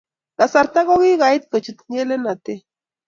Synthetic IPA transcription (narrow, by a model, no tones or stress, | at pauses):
lasaɾt̪aɣoɣiɣait̪̚ket͡ʃit̪nelenat̪e